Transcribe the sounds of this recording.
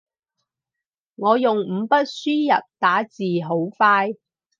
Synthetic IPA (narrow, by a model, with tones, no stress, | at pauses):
ŋɔː˨˧jʊ˨ŋm̩˨˧pɐ˥t̚syː˥jɐ̰˨p̚t̪aː˨˥t͡siː˨ɦo˨˥wfaː˥j